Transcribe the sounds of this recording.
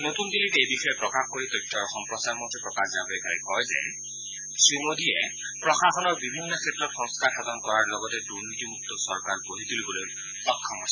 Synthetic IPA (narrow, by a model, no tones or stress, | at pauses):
notundilitejbixɔjɛpɹɔkaxkoɹitɔtʰːɹɔɹxɔmpɹɔsaɹmɔdʰʱɛpɹɔkazabɔejkaɹɛkɔjzɛ̰ | sɹimodijɛ | pɹɔxaxɔnɔɹbibʱinːɔkʰetɹɔtxɔŋskaɹxadɔnkɔɹaɹlɔɡɔtɛduɹnitimuk̚tɔsɔɹkaɹboɦituliboloj | ɔkʰːɔmɔsa